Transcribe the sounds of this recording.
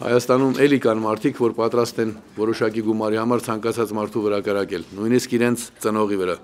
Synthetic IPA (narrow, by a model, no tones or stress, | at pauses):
hɑ̰jɑst̪ɑnumʔɛlikɑnmɑɾt̪ʰikʰvɔɾpɑt̪ɾɑst̪ɛn | vɔɾɔʃɑkiɡumɑɾihɑmɑɾt͡sʰɑŋkɑt͡sʰɑt͡smɑɾt̪ʰuvəɾɑkəɾɑkɛlnujniskiɾɛnt͡sʰt͡sənɔʁivəɾɑ